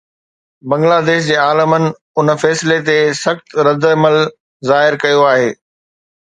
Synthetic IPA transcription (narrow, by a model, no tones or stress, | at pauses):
bɐ̃ŋɡlaːd̪eːʃ̬d͡ʑeːaːləmənɪ̆ | ʊnəfɛːsɪlet̪esɐxt̪ɾɐd̪əməl | zaːɦɪɾkɐjoaːɦeː